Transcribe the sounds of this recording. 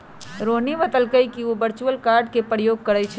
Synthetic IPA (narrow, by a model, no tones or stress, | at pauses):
ɾonibət̪əlkəjkiobəɾt͡ʃuəlkaɾɖkepɾəjoɡ̚kəɾət͡ʃʰɛ